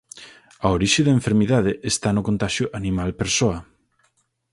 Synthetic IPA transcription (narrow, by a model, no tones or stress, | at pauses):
ɐoɾiʃɪðɐaeɱfeɾmiðaðeʔest̪anʊkont̪aʃjʊʔanĩmalpeɾsoɐ